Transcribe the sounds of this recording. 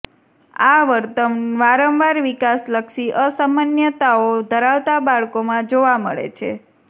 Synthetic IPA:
aʋəɾt̪əmʋaɾəmʋaɾʋikasləkʃiʔəsamanjət̪aod̪ʱəɾaʋt̪abaɭkomãd͡ʒoʋamə̰ɭḛt͡ʃʰḛ

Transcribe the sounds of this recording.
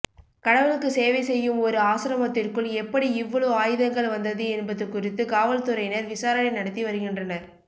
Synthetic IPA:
kɐɽɐʋɐɭɯkːɯseːʋɐɪsɛjːɯmɔɾɯaːsɪɾɐmɐt̪ːɪrkɯɭɛpːɐɽiɪʋːɐɭoaːjɯðɐŋɡɐɭʋɐnd̪ɐðɯɛnbɐðɯkːʊrɪt̪ːɯkaːʋɐlt̪ɯɾɐjɪnɐɾʋɪsaːɾɐnɐɪnɐɽɐt̪ːiʋɐɾɯɣɪndrɐnɐɾ

